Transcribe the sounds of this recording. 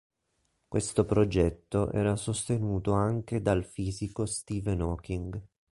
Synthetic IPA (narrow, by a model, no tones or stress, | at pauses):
kwest̪opɾod͡ʒɛt̪ːoʔɛ̰ːɾasost̪enuːt̪oaŋk̟ed̪alfiːzikost̪iːvɛnɔːkiŋɡ